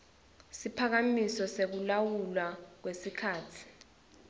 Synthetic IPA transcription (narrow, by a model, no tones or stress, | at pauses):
sipʰak̬amisɔsek̬ulawulwak̬wesikʰaːtʰi̥